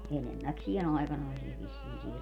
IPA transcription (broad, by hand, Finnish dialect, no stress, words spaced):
enemːæksien ɑikɑnɑisiɑ ʋisːiːn siːr